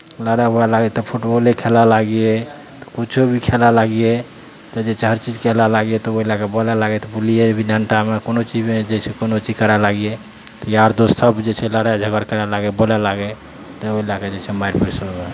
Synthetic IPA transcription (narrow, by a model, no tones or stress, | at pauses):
ləɽaɦoɛlaɡɛt̪ɔpʰoʈoolekʰelalaɡje | t̪ɔ̥kut͡ʃʰobʱikʰelalaɡje | t̪ɔd͡ʒet͡ʃʰɛɦəɾt͡ʃid͡ʒkʰelalaɡjet̪ɔoɦilakebɔlɛlaɡɛt̪ɔpuliebʱidjanʈamekonot͡ʃid͡ʒmed͡ʒɛsʰɛkonot͡ʃid͡ʒkəɾalaɡje | t̪ɔjaɾd̪osəbd͡ʒet͡ʃʰɛləɽajd͡ʒʱəɡəɾkəɾɛlaɡɛbɔlɛlaɡɛ | t̪ɔoɦilaked͡ʒet͡ʃʰɛmaɾpeɾsoɡe